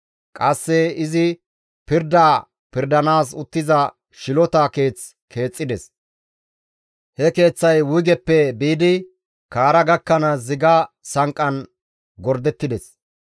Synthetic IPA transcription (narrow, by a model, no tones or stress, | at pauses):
kʼɐsːɛɪzɪ | pɪɾd̪aː | pɪɾd̪ɐnaːs̬ʊt̪ːɪzɐ | ʃɪlɔt̪ake̞ːt͡s | kʰe̞ːt͡sʼːɪd̪ɛs | hɛke̞ːt͡sːɐjwʊjɡɛpːɛbiːd̪ɪ | kaːɾɐɡɐkːɐnɐzɪɡɐ | sɐŋkʼːɐn | ɡɔɾd̪ɛt̪ːɪd̪ɛs